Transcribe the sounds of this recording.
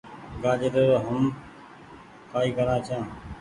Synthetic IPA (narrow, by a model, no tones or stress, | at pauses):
ɡaːd͡ʒəɾəɾɦəm | kaːiːkəɾãːt͡ʃʰjãː